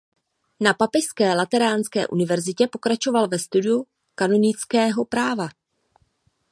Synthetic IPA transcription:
napapɪʃskɛːlat̪ɛɾaːnskɛ̰ːʔunɪvɛɾzɪcɛpo̞kɾat͡ʃo̞valvɛst̪udɪu | kano̞nɪt͡skɛːɦo̞pɾaːva

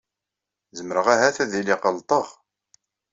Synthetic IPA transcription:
zəməɾəʁaɦæθæðiliqəlt̪ˤəʁ

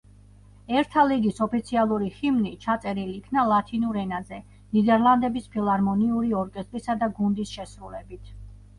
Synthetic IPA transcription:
ɛɾt̪ʰaliɡisɔpit̪sʰialˠuɾihimnit͡ʃʰat̪sʼɛɾiliːkʰnalˠat̪ʰinuɾɛnazɛ | nid̪ɛɾlˠand̪ɛbispʰilˠaɾmɔniuɾiɔɾkʼɛst̪ʼɾisad̪aɡund̪isʃɛsɾulɛbit̪ʰ

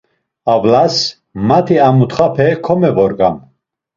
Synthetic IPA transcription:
avlas | mat̪ʰiamut̪χapʰɛkʰɔmɛvɔɾɡam

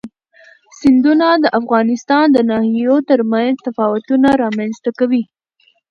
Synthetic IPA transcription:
sɪnd̪unad̪əʔafɣɑnɪst̪ɑnd̪ənɑhijot̪əɾmanzt̪afɑwat̪unaɾɑmanzt̪akawi

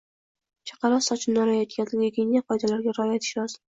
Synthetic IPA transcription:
t͡ʃʰɑ̥qɑɾɒsɒt͡ʃʰɪːɒɾajɒt̪̚kʲat̪ɡʲeɡʲenʲjaqʰɒjd̪alaɾɡʲaɾːjat̪ʰɪ̥ʃɒz̥

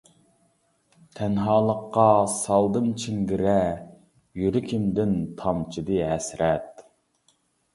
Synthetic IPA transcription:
t̪ʰɛnɦɑːlˠəqːɑsɑlˠd̪ɨnt͡ʃʰiŋɡʲiɾɛ | jyɾɪkʲʰimd̪ɪnt̪ʰɑmt͡ʃʰid̪ɨɦɛsɾɛt̪̚

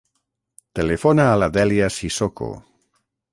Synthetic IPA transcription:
t̪elefonaːlad̪eljasisoko̰

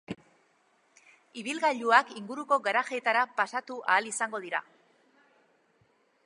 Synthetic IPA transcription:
iβilɣaʎuakiŋɡuɾuko̞ɣaɾaʝe̞t̪aɾapasat̪uʔaːlisaŋɡo̞ð̞iɾa̰

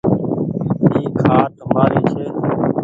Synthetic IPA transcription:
iːkʰaːt̪əmaːɾiːt͡ʃʰeː

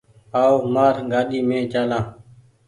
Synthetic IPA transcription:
aːoːmaːɾɡaːɗiːmẽːt͡ʃaːlãː

